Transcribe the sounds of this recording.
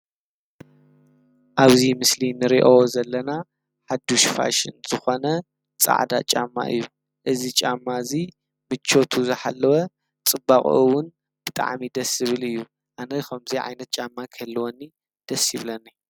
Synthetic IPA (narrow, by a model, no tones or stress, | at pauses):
ʔaβzimɨslinɨɾiʔawozɐlːɐna | ħad̪uʃfa̰ʃɨ̰nz̥ɨxo̞nɐ | t͡sʼa̰ʕd̪a̰t͡ʃʼa̰mːa̰ʔɨ̰jːu | ʔɨzit͡ʃʼamːazi | mɨt͡ʃʰːo̞t̪ʰuzɨħalːɐwɐ | t͡sʼɨbaχʼʔɨwʊn | b̥ɨt̪ʼa̰ʕmid̪ɐsɨβɨlɨjːu | ʔanɐxɐmziʕa̰jnɐt̪̚t͡ʃʼamːakʰɐlːɨwonːi | d̪̥ɐsiβlɐnːa